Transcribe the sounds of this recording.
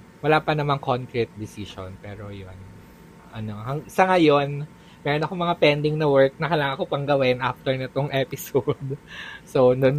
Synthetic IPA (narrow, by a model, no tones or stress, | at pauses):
wɐlaːpɐnɐmaŋkonkɾɪt̪̚d̪ɪsiʃo̰npɛːɾo̞jon | ʔɐnohɐŋsɐŋajo̞n | mɛɾonɐko̞mɐŋapɛnd̪ɪŋnɐwɛɹk̚nɐkɐlaːŋɐkopɐŋɡɐwɛnʔaft̪ɛɹnɛt̪oŋʔɛpɪsod̪sonon